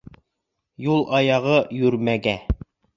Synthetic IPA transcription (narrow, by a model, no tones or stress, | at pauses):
julˠʔɑjɑʁɤjʉɾmæɡæ